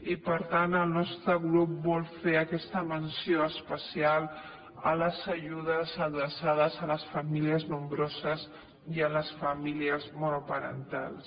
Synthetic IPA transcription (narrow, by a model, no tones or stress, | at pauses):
ipəɾt̪anəlˠnɔst̪ɾəɣɾup̚bɔlˠfeəkɛst̪əmənsjoəspəsial | ə̰ləzəʒuð̞əzəðɾəsað̞əzələsfəmiliəznumbɾozəz | jələsfəmiliəzmonopəɾə̰nt̪a̰lˠs